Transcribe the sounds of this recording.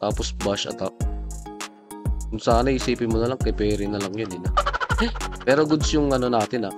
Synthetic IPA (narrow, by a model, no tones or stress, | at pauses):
t̪aːposbaʃɐ̰t̪ak̚ | kʊŋsaːnɐhɪsiːpɪnmonɐlaŋkɐpɛːɾɪnɐlɐŋjonɪna | pɛːɾoɡʊd̪sjʊŋʔɐno̞naːt̪ɪna